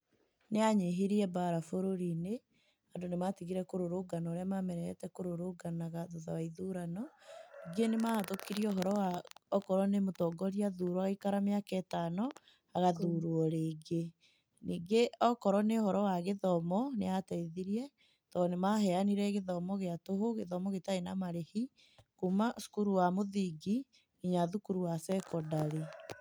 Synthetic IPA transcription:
neaɲeɦeɾiɛbaɾafoɾoɾine | andonematiɣiɾɛkoɾoɾoɡanaoɾeamamɛɾɛɛ̰tɛkoɾoɾoːɡanaɣaðoða̰waiðuɾanɔniɡenematokiɾiɔɦɔɾɔaɔkɔɾɔnemotɔɡɔɾiaðuːɾwaɣaikaɾameakɛtanɔ | aɣaðuɾwɔɾeːɡe | niːɡeɔkɔɾɔneɔhɔɾɔwaɣeðɔmɔneatɛiðiɾiɛ | tɔnemahɛaniɾɛɣeðɔmɔɣeatoɦoɣeðɔmɔɣetaenamaɾehi | kumasu̥kuɾuwamoðiɡi | iɲaðukuɾuwasɛkɔdaɾe

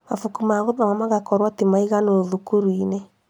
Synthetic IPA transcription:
mafukumaɣoðamamaɣakɔɾwatimaiɣanoðukuɾwine

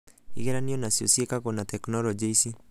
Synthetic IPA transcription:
ḭɣɛɾaniɔnasjosiekakɔnatɛknɔlɔd͡ʒeisi

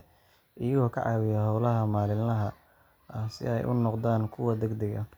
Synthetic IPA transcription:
ʔɪjɐɣɔːkʰɐ̰ʕɑːwɪjɐhɑwlɐɦɐmaːlɪnːɐɦɐ | ɐhsɪ̰ɛjʔʊ̰nɔqd̪aːnkʰʊwɐd̪ɐɡd̪ɐɣɐ

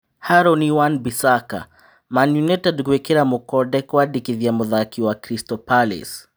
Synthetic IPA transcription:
haɾɔniwanbisaka̰ | manjunɛtɛdɡwɛkɛɾamukɔdɛkwadikiðjamɔðakiwakɾistɔpalḭs

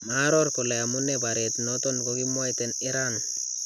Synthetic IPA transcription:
maɾɔɾkoleamunebaɾetnotonkokimwajteniɾan

